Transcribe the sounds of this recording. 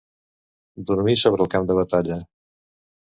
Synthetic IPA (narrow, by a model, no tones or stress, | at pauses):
d̪uɾmisoβɾəlˠkamd̪əβət̪aʎə